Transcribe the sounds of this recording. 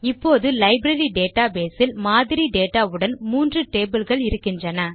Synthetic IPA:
ɪpːoːðɯlɐɪbɾɐɾiɖeːʈaːbeːsɪlmaːðɪɾiɖeːʈːaːɯɽɐnmuːndrɯʈeːbɪlɣɐɭɪɾɯkːɪndrɐnɐ

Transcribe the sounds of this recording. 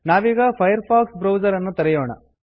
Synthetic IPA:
naːʋiːɡɐpʰɐjɐɾpʰaːksbɾɐwd͡ʒɐɾɐnːut̪ɐɾɛjoːɳɐ̰

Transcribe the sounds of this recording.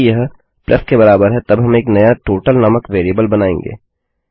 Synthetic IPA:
jɐɦ | plʔɐskebɐɾaːbəɾɦɛt̪ɐbɦɐmeːknɐjaʈoːʈəlnɐməkʋeːɾijəbəlbɐnaːḛ̃ŋɡḛː

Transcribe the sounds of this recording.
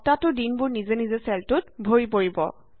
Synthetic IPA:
tatʊdinbʊɹnizenizesɛltʊt̚bʱoɹipoɹibɔ̰

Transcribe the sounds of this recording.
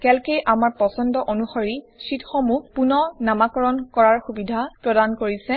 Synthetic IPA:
kɛlkejʔamaɹpɔsɔndɔʔonuxɔɹi | sitxɔmupunɔnamakɔɹɔnkɔɹaɹxubidʱapɹɔdankoɹisɛ

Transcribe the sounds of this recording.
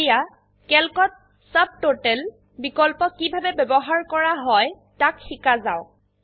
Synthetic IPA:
ja | kɛlkɔt̚ | sab̚totɛl | bikɔlpɔkibʱabɛbɛbɔɦaɹkɔɹaɦɔj | takxikazaʊ

